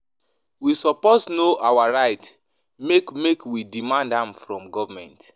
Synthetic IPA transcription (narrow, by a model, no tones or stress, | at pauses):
wisɔpoznoʔawaɹaɪt | mekmekwidimãndãmfɹɔ̃mɡɔvamɛ̰̃nt